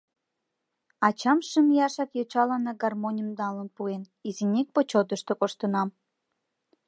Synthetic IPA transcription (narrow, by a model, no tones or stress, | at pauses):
ɑt͡ɕɑmʃəmjɑʃɑkjot͡ɕɑlɑnəɡɑrmonʲəmd̪ɑlənpuen | izinʲek̚pot͡ɕod̪əʃt̪okoʃt̪ənɑm